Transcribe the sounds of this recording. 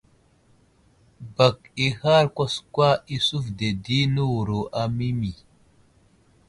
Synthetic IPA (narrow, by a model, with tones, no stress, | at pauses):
ba˨ki˨ha˦ɾkʷa˦skwa˦i˦su˦fde˨di˦nu˦wu˨ɾo˨ʔa˨mi˦mi˨